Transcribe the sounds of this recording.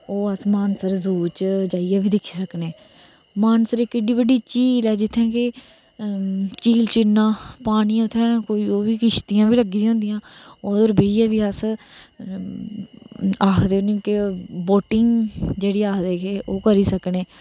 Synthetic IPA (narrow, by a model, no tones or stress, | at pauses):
oːəsmaːnsəɾzuːt͡ʃd͡ʒaːijaːbiːd̪ɪkʰːiːsəkneː | maːnsəɾɪkːɪɖiːbəɖiːt͡ʃiːlɛːd͡ʒɪt̪ʰːɛ̃ːkɪ | t͡ʃiːlt͡ʃɪnːaːpaːñiːʊt̪ʰːɛ̃ːkoːiːoːbiːkɪʃt̪iːjãːbʱiːləɡĩːɦʊ̃nd̪ijãːoːd̪ɾbeaːbiːəs | aːkʰd̪eːnũːkeboːʈɪŋɡd͡ʒeːɽiːaːkʰd̪eːkeːʔoːkəɾiːsəkneː